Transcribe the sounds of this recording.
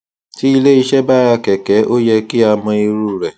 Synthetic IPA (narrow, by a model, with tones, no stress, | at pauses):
ti˦i˧le˦i˧ʃɛ˦ba˦˨ɾa˧kɛ˨kɛ˨˦ʔo˦jɛ˧ki˦a˧mɔ̃˧i˧ɾu˦˨ɾɛ˨